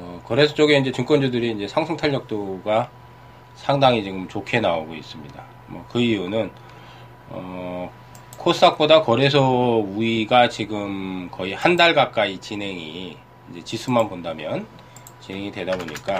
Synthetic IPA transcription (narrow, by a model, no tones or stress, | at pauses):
ʌkʌɾe̞sʰʌt͡ɕ͈oɡeind͡ʑe̞t͡ɕuŋk͈wʌnd͡ʑudɯɾiːnd͡ʑe̞sʰaŋsʰɯŋtʰaɭːʌk̚t͈oɡa | sʰaŋdaŋit͡ɕiɡɯmt͡ɕokʰie̞naoɡois͈ɯmɲida | mwʌ̰kɯiunɯn | ʌ | kʰos͈ak̚p͈odakʌɾe̞s̬ʰʌuiɡat͡ɕiɡɯmkʌihandaɭɡak͈̚ait͡ɕinɦe̞ŋiː | nd͡ʑe̞t͡ɕisʰumanpondamjʌn | t͡ɕinɦe̞ŋidwe̞daboɲḭk͈a